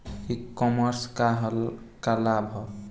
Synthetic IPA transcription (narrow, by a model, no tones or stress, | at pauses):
ikːɔməɾskaɦkalabʱɦɔ